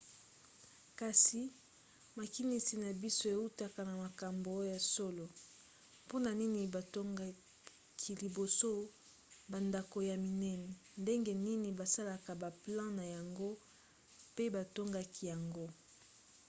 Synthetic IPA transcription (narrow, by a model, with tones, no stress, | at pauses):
ka˨si˨ | ma˨ki˦ni˨si˨na˨bi˦so˦e˨u˦ta˨ka˨na˨ma˨ka˨mbo˨˦o˦ja˨so˦lo˨ | po˦na˨ni˦ni˨ba˨to˦ŋɡa˨ | kʰi˨li˨bo˨so˦ | ba˨nda˨ko˨ja˨mi˨nɛ˦nɛ˨nde˦ŋɡe˦ni˦ni˨ba˨sa˦la˨ka˨ba˨plɑ̃˦na˨ja˨ŋɡo˦ | pe˦ba˨to˦ŋɡa˨ki˨ja˨ŋɡo˦